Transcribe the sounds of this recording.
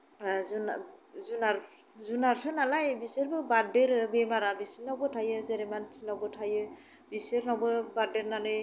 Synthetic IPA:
zunazunaɾ | zunaɾtʰɯnalajbiseɾbɯbadeɾɯbemaɾabisinawbɯtʰajɯzeɾɛmansʰinawbɯtʰajɯ | biseɾnawbɯbadeɾnanɯj

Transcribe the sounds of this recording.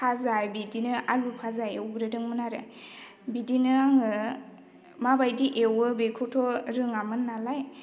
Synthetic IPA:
pʰazajbidinɯalupʰazajewɡɾɯdɯŋmɯnaɾɯ | bidinɯŋɯ | mabajdiʔewɯbekʰɔtʰɔɾɯŋamɯnːalaj

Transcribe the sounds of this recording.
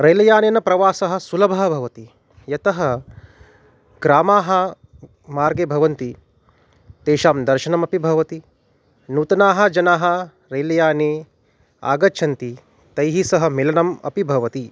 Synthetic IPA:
ɾɐjlɐjaːnenɐpɾɐʋaːsɐɦɐ̆sulɐbʱɐɦɐbʱɐʋɐt̪i | jɐt̪ɐɦɐ | ɡɾaːmaːɦɐ̆ | maːɾɡebʱɐʋɐnt̪i | t̪eːʃaːmd̪ɐɾʃɐnɐmɐpibʱɐʋɐt̪i | nuːt̪ɐnaːɦɐ̆d͡ʒɐnaːɦɐ̆ | ɾɐjlɐjaːneː | a̰ːɡɐʃʰɐnt̪i | t̪ɐjɦisɐɦɐ̆milɐnɐmɐ̰pibʱɐʋɐt̪i

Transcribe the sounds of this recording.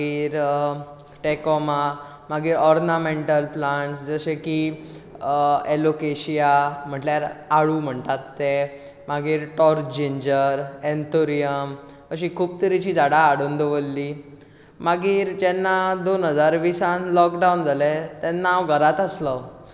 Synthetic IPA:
iːɾ | ʈekɔma | maɡiːɾɔɾnamẽɳʈəlplaɳʈsd͡zəɕeki | elokeɕijam̤əɳʈljaɾaɽuːm̤əɳt̪at̪ːe | maɡiːɾʈɔɾd͡ʑeɲd͡ʑəɾɛnt̪ʰoɾijəm | əɕiːkʰuːp̚t̪əɾit͡ɕiːd͡zaɽaːɽund̪əʋəlːiː | maɡiːɾd͡ʑɛnːad̪onɦəd͡zaɾʋisãnlɔkɖawnd͡zʱalet̪ɛnːawɡʱəɾat̪əslə

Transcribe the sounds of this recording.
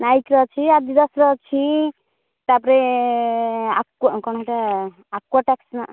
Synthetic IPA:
najkɾɔt͡ʃʰiad̪id̪ɔsɾɔt͡ʃʰi | t̪apɔɾɛ | akkɔñɔɦʈaː | kwɔʈaksna

